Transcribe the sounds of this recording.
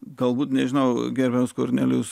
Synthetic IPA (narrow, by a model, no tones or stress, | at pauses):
ɡ̥ɐlˠbuːt̪nʲɛʒʲɪnɐʊɡʲɛɾʲbʲɛmskoɾʲnʲælʲʊs